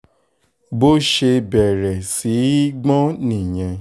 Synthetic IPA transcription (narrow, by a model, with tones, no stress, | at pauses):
bo˦ʃe˧bɛ˨ɾɛ˨si˨˦ɡ͡bɔ̃˦nĩ˨j̃ɛ̃˧